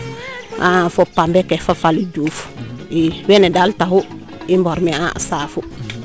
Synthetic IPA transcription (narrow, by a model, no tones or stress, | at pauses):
ʔafɔpːambɛkɛfafalid͡ʒufu̥iwɛnɛdaltahu | imbɔɾmɛa̰safu